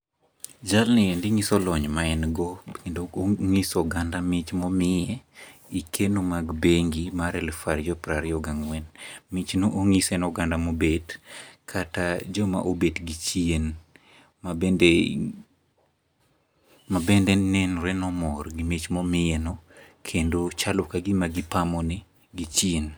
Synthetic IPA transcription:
d͡ʒalnɪendɪŋisɔlɔɲmaɛnɡɔkendoŋisɔɡandamɪt͡ʃmɔmɪjɛikʰenomaɡbeŋɡimaɾɛlfaɾjɔpɾaɾjɔɡaŋwɛnmit͡ʃnoʔoŋisɛnɔɡandamobedkʰatad͡ʒɔma̰ʔobetɡit͡ʃien | mabɛnde | mabɛndɛnɛnɾɛnɔmɔrɡimit͡ʃmɔmɪɛnɔkʰendot͡ʃalʊkaɡɪmaɡɪpamɔnɪ | ɡit͡ʃien

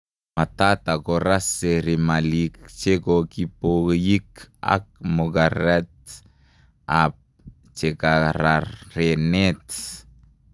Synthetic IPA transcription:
mat̪at̪akoɾaseɾimalikt͡ʃekokipojika̰k̚moɡaɾɛt̪̚ | ap̚ | t͡ʃekaɾarenet̪

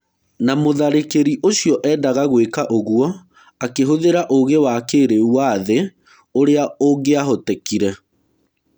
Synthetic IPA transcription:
namoðaɾekeɾiʔoɕiɔʔɛːdaɣaɣwekaʔoɣuɔ | akeɦoðeɾaʔoɣewakeːɾeuwaðe | oɾeaoŋɡeaɦotɛkiɾɛ

